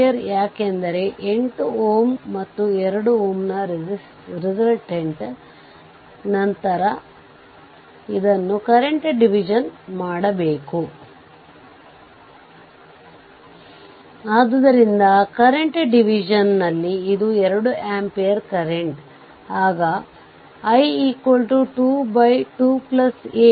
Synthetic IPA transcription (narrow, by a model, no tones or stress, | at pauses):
jɐɾjaːkend̪ɐɾe̞ʔeɳʈuoːmːɐt̪ːuɛɾɐɽuoːmnɐɾis | ɾizɐlʈeɳʈ | nɐnt̪ɐɾɐ | id̪ɐnːukɐɾeɳʈɖiʋid͡ʒɐnmaːɽɐbe̞ːku | aːd̪ɐd̪ɐɾind̪ɐkɐɾeɳʈɖiʋid͡ʒɐnːɐlːiːd̪uɛɾɐɽuʔaːmpejɐɾkɐɾeɳʈ | aːɡɐ | ɐjikolʈuʈuːbɐjʈuːplɐseː